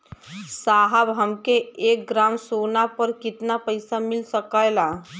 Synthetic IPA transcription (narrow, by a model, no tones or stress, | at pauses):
saɦabʱamkeek̚ɡɾamsonapəɾkit̪napəjsamilsəkajla